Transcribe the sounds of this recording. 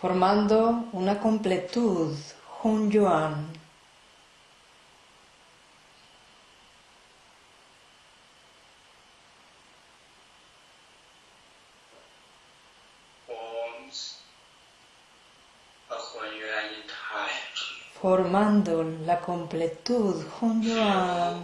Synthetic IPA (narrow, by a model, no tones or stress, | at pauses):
foɾmãnd̪ounakõmplet̪uðxund͡ʒuan | ons | axwajuaɲit̪afoɾmãnd̪olakomplet̪uðxund͡ʒua